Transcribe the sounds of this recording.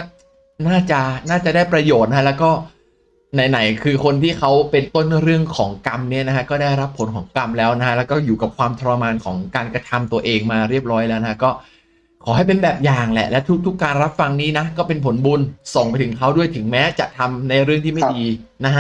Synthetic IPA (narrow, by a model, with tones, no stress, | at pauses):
naː˥˩t͡ɕa˨˩naː˥˩t͡ɕa˨˩daː˥˩jpɾa˧joː˨˩t̪̚na˦a˥lɛː˦˥wkɔː˥˩ | na˧jna˩˦jkʰɯː˧kʰo˧nt̪ʰiː˥˩kʰa˦˥wpe˧nt̪o˥˩nɾɯ˥˩əŋkʰɔː˩˦ŋka˧mni˦˥˩ɐna˦˥kʰa˦˥kɔː˥˩daː˥˩jɾa˦˥pʰːo˩˦nkʰɔː˩˦ŋka˧mlɛː˦˥wna˦˥kʰa˥lɛ˦˥wkɔː˥˩juː˨˩ka˨˩p̚kʰwaː˧mt̪ʰa˧ɾa˧maː˧nkʰɔ̰ː˩˦ŋkaː˧nkɾa˧t̪ʰa˧mt̪u˧ɐʔeː˧ŋmaː˧ɾi˥˩əp̚ɾɔː˦˥jlɛː˦˥wna˧˥kʰa˥kɔː˥˩ | kʰɔː˩˦ha˥˩jpe˧nbɛː˨˩p̚jaː˨˩ŋlɛ̰˨˩lɛ˦˥wt̪ʰu˦˥k̚t̪ʰu˦˥kːaː˧nɾa˦˥p̚fa˧ŋniː˦˥na˦˥kɔː˥˩pe˧npʰo˩˦nbu˧nso˨˩ŋpa˧jt̪ʰɯ˩˦ŋkʰa˦˥wdu˥˩əjt̪ʰɯ˩˦ŋmɛː˦˥t͡ɕa˨˩ʔt̪ʰa˧mna˧jɾɯ˥˩əŋt̪ʰiː˥˩ma˥˩jdiː˧na˦˥ka˦˥